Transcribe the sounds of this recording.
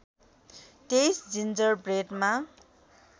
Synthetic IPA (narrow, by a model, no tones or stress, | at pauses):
t̪ejsd͡zind͡zʌrbreʈma